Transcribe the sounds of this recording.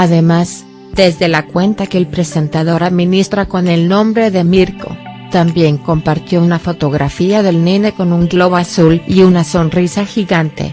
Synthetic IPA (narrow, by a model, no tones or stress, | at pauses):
aðe̞maz | d̪e̞zðe̞lakwe̞nt̪akeelpɾe̞se̞nt̪aðo̞ɾaðmĩnist̪ɾako̞ne̞lnõ̞mbɾe̞ðe̞miɾko̞̰ | t̪ambje̞ŋko̞mpaɾt̪jo̞unafo̞t̪o̞ɣɾʔafiaðe̞lnine̞ko̞nuŋɡlo̞βasuliunaso̞nrisaxiɣant̪e̞̰